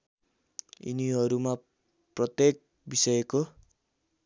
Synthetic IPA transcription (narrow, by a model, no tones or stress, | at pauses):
ḭniɦʌɾuma | prʌt̪jek̚ | bisʌjeko